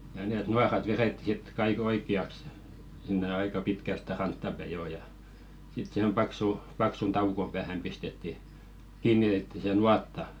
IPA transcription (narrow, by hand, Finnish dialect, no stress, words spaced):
jɑ neˑt nuɑrɑt ʋeretːi sit kɑik oikˑiɑks sinːe ɑikɑ pitkæ stæ rɑntːɑ pæi joː jɑ sit sĭhem pɑksu pɑksun tɑukom pæːhæm pistetːi kiːnːitetːi se nuɑtːɑ